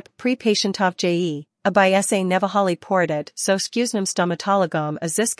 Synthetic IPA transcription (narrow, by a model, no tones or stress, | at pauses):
ppʰɹ̥ipʰeɪʃɨ̃n̩tʰɑfd̥ʒ̥eɪi | əbaɪɛseɪnɛvəɦɑlˠipʰɔɹɾɛtsoʊɨskjʉznɨ̃mstɑmɨtʰɑlˠəɡə̃mɨzðɪs